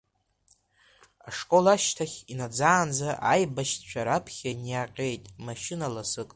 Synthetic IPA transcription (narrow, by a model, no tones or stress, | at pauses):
aʂkʼo̞laʃtʰaχʲinad͡zaːnd͡zaʔajbaʃtt͡ʃʷʰaɾapʰχʲanjaqʲʼe̞jtʼmaʃɪnalasɨkʼ